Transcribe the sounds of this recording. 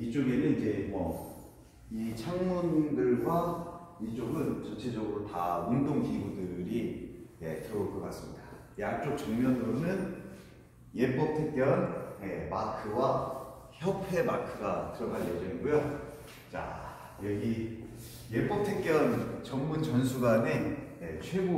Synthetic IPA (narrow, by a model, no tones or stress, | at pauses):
it͡ɕ͈oɡe̞nɯnid͡ʑe̞mwʌ | it͡ɕʰaŋmundɯɭɡwait͡ɕ͈oɡɯnt͡ɕʌt͡ɕʰed͡ʑʌɡɯɾotaundoŋɡiɡudɯɾije̞̰tɯɾoɭkɯk͈as͈ɯmɲḭda | jak̚t͡ɕ͈ok̚t͡ɕʌŋmjʌnɯɾomjʌn | jep͈ʌp̚tʰek̚k͈jʌnje̞makʰɯwa | çjʌpʰe̞makʰɯɡakɯɾʌnɡanjed͡ʑʌŋiɡujo | t͡ɕa̰ | jʌɡi | jep͈ʌp̚tʰek̚k͈jʌnt͡ɕʌŋmunt͡ɕʌns̬ʰuɡanejet͡ɕʰweɡo